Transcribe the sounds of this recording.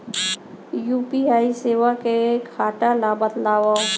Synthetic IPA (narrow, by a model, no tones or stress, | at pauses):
juːpiaːiseːwakekʰaːʈalabət̪laːwa